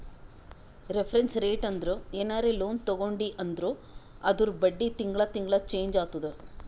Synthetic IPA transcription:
ɾepʰɐɾensɾeːʈɐnd̪ɾueːnaːɾeːloːnt̪ɐɡoɳɖiʔɐnd̪ɾu | ɐd̪uɾubɐɖːit̪iŋɡɭɐt̪iŋɡɭɐt͡ʃe̞ːɲd͡ʒaːt̪ud̪u

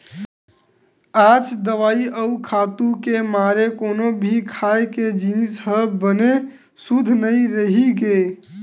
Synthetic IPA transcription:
aːd͡ʒd̪əʋaːiʔəukʰaːt̪ũkemaːɾekoːnobʱikʰaːeked͡ʒinsɦəbəne | sud̪ʱnəĩɾəɦiɡe

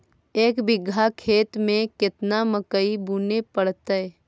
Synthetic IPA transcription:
eːkbɪɡʱakʰeːt̪mẽkɪt̪naməkəibuːnepəɽt̪ɛ

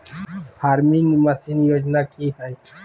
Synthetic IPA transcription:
haɾminməsinjod͡ʒnakiɦɛj

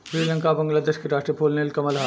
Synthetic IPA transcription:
ʃɾiːlə̃ŋkabɐ̃ŋɡlad̪eːʃkeɾaːʃʈɾipʰoːlnelkɐməlɦa

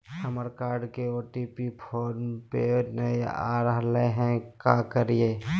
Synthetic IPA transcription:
səməɾkaːɾɖkeoːʈipipʰoːnpenəea̰ːɾəɦleɦɛ̃kaːkəɾieː

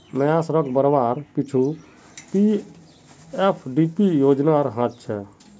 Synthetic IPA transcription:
məjasɾəkʰbəɾʋaɾpit͡ʃʰu | pi | epʰɖipijod͡ʒnaɾɦãt̪̚t͡ʃʰɛ

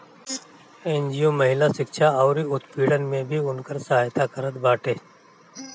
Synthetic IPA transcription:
ẽːnd͡ʒijomɐɦɪlaʃɪkʃaɔːɾiʊt̪piːɽənmẽbʱiʊnkəɾsɐɦaːjt̪akəɾət̪baːʈeː

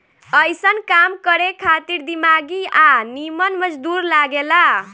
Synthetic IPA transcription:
ʌjsʌnkamkʌɾekʰat̪iɾd̪imaɡianimʌnmʌd͡zd̪uɾlaɡela

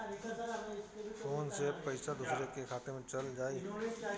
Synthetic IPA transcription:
foːnsepɐɪsad̪usɾekekʰaːt̪emẽt͡ʃɐld͡ʒaːiɦ

